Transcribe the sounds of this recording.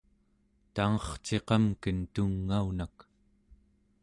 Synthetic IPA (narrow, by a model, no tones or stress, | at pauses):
t̪aŋʌχt͡ʃe̞qʌmkənt̪uŋːaunak